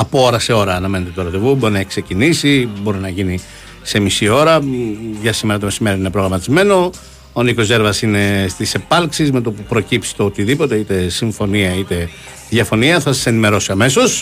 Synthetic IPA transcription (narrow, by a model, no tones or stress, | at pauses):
ɐpo̞oɾɐse̞o̞ɾɐːnɐme̞net̪e̞t̪oɾɐt̪evubo̞ɾinɐekse̞cinisibo̞ɾinɐʝini | se̞misio̞ɾɐʝɐsime̞ɾɐt̪o̞me̞sime̞ɾioninepɾo̞ɣɾɐmɐt̪izme̞no̞ | oniko̞ze̞ɾvɐsine̞st̪ise̞pɐlksizme̞t̪opupɾo̞cipsi̥t̪oot̪iðipo̞t̪e̞it̪e̞siɱfo̞niɐit̪e̞ | ðʝɐfo̞niɐθɐsɐ̥se̞nime̞ɾo̞siɐme̞so̞s